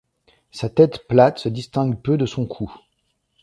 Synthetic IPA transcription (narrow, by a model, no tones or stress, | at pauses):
sat̪ɛt̪plat̪səd̪ist̪ɛ̃ɡpød̪əsɔ̃kʰu